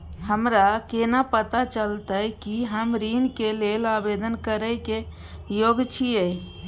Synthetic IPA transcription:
ɦəmɾakenapət̪at͡ʃəlt̪əjkiɦəmɾinkelelabed̪ənkəɾəjke | joɡt͡ʃʰiə

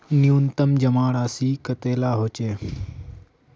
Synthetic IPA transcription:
niunt̪əmd͡ʒɐmaːɽaːsiːkət̪eːlaːɦoːt͡ʃeː

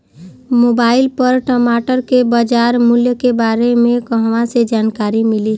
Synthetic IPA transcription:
moːbaːɪlpəɾʈəmaːʈəɾkebad͡ʒaɾmʊljəkebaːɾemẽkəɦʋãsed͡ʒaːnkaːɾimɪli

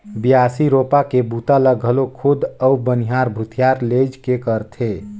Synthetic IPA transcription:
bijaːsiɾoːpakebut̪aləɡʱəlokʰʊd̪əubəniɦaɾbʱʊt̪ʰijaɾled͡ʒkekəɾt̪ʰe

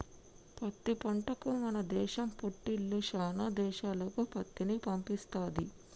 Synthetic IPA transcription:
pɐt̪ːipɐɳʈɐkumɐnɐd̪ɛːʃɐmpoʈːilːuʃaːnad̪ɛːʃaːlɐkupɐt̪ːinipɐmpist̪aːd̪i

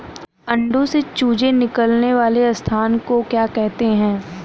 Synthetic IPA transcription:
ɐ̃ɳɖõset͡ʃuːd͡ʒenɪkəlneʋaːleɐst̪ʰaːnkokjaːkɛɦt̪eɦɛ̃ː

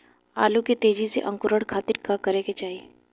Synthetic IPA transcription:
a̰ːluket̪eːd͡ʒisḛʔɐ̃ŋkʊɾəɽkʰaːt̪ɪɾkakɐɾeːket͡ʃaːie

